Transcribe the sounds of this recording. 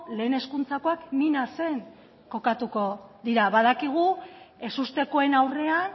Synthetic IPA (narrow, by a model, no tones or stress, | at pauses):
le̞ːne̞skunt͡sako̞akninase̞ŋ | ko̞kat̪uko̞ðiɾaβað̞akiɣ̞ue̞sust̪e̞ko̞e̞nawre̞an